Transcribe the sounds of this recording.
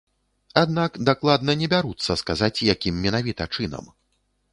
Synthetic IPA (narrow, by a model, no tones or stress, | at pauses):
ad̪nakd̪aklˠad̪nɐnʲɛbʲaɾut̪sːɐskazat͡sʲjakʲimːʲɛnavʲit̪ɐt͡ʂɨnɐ̰m